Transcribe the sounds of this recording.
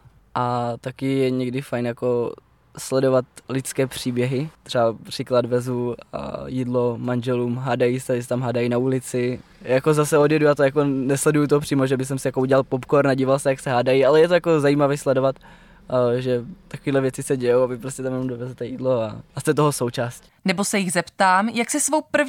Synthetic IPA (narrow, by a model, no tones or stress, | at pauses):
ʔat̪akɪjɛɲɛɡdɪfajnjako | slɛdovat̪lɪt̪t͡skɛːpr̝̥iːbjɛɦɪt̪r̥ɛbapr̝̥ikladvɛzṵ | jidlomanʒɛluːmɦaːdajisɛɪs̬ɛt̪amɦaːdajinaulɪt͡sɪ | jaːjakozasɛodjɛdujaːt̪ojakonɛslɛdujut̪opr̝̥iːmoʒɛbɪs̬ɛmsɛjakouɟɛlalpopkoɾnaɟiːvalsɛjaksɛɦaːdajiʔalɛjɛt̪ojako̞zajiːmavɛslɛdovat̪ | ʒɛt̪akoviːdlɛvjɛt͡sɪsɛɟɛjowabɪpɾoscɛt̪amjɛnomdovɛzɛt̪ɛjiːdloaast̪ɛt̪oɦosowt͡ʃaːsc | nɛbosɛjɪxzɛpt̪aːmjaksɛsvowpr̩v